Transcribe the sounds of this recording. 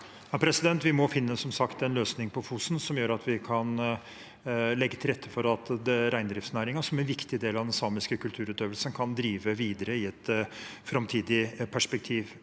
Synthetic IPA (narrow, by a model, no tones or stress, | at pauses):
hɑpʰɾɛsɪd̪ɛnt̪ʋɪmɔfɪnːəsɔmsɑkt̪ɛnløːsnɪŋpʰɔfuːsn̩sɔmjøːɾɑt̪ʰʋɪkʰɑn | lɛɡːət̪ʰɪlɾɛt̪ʰːə̥fɔɾɑt̪ɾæɪnd̪ɾɪft̪snæːɾɪŋɑʂɔmɛnʋɪkt̪ɪd̪eːlɑd̪ɛnsɑːmɪskəkʉlt̪ʰʉːɾʉːt̪øːʋəlsənkʰɑnd̪ɾiːʋəʋiːd̪əɾəɪɛt̪fɾɑmt̪ʰiːd̪ɪpʰæʂpɛk̚t̪ʰiːʋ